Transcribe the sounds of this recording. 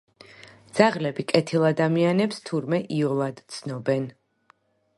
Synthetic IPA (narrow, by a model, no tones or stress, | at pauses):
d̪z̥aʁlɛbikʼɛt̪ʰilˠad̪amianɛpst̪ʰuɾmɛʔiɔlˠad̪t̪sʰnɔbɛn